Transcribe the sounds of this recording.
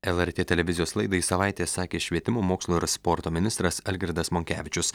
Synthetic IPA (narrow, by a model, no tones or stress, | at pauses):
ɛlˠɛɾʲt̪ʲeːt̪ʲɛlʲɛʋʲɪzʲɪjoːslˠɐɪd̪ɐisɐʋɑˑɪt̪ʲeːsɑːkʲeːʃʲʋʲiɛt̪ʲɪmoːmoːkslˠoːɪɾspɔɾt̪oːmʲɪnʲɪst̪ɾɐsɐlʲɡʲɪɾd̪ɐsmoːŋʲkʲæːʋʲɪt͡ʃʲʊs